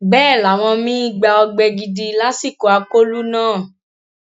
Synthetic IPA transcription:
bɛː˦˨la˨w̃ɔ̃˧mĩ˦i˦˨ɡ͡ba˧ɔ˧ɡ͡bɛ˧ɡi˧di˧la˦si˦˨ko˨a˧ko˦lu˦nãː˦˨

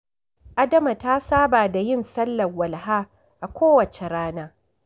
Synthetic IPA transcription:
ʔa˦dɐ˦ma˨ta˦saː˦baː˨da˨jɪ˦nsɐ˦lːɐ˨wɐ˨lɦaː˦ | ʔa˨kʷoː˦wɐ˨t͡ʃe˨ɾaː˦naː˦

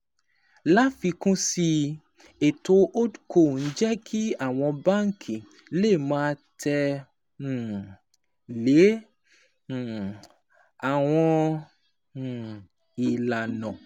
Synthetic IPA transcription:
la˦fi˧kũ˦si˧ | e˨to˨˧ʔo˦du˦kʰo˦˨n̩˦d͡ʒɛ˦kʰi˦a˦˨w̃ɔ̃˧ba˦˨ŋ̩˦kʰĩ˨ | le˦˨mãː˦tʰɛ˧˨ | le˨˦˨ | a˨w̃ɔ̃˧˨ | i˨la˨nɔ̃˨

